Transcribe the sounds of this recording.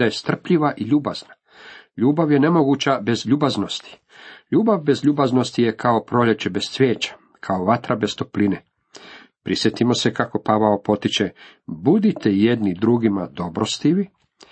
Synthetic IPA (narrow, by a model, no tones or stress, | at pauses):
d̪ajest̪r̩pʎiʋaʔiʎuːba̰z̥na | ʎuːbaʋje̞ne̞mo̞ɡut͡ɕabe̞zʎuːbaznost̪i̥ | ʎuːbaʋbe̞zʎuːbazno̞st̪ijekʰao̞pɾo̞ʎe̞t͡ɕebessʋjeːt͡ɕḁ | kʰaoʋat̪ɾabe̞st̪o̞pline | pɾisjet̪imo̞se̞kako̞paʋaopo̞t̪it͡ʃe | bud̪it̪ʰejed̪nid̪ɾuɡimad̪o̞bɾost̪iʋi